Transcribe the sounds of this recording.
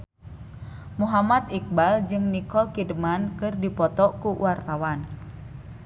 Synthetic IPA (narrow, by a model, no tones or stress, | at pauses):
muɦamat̪ik̚bald͡ʒɨŋnikɔlkidəmankɨrdipɔt̪ɔkuwart̪awan